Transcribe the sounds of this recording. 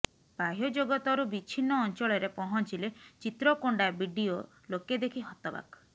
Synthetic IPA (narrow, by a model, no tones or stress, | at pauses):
baɦjɔd͡ʒoɡɔt̪ɔɾubit͡ʃʰinɔːnt͡ʃɔɭɔɾepɔɦɔnt͡ʃilet͡ʃit̪ɾɔkoɳɖabiɖio | loked̪ekʰiɦɔt̪ɔba̰k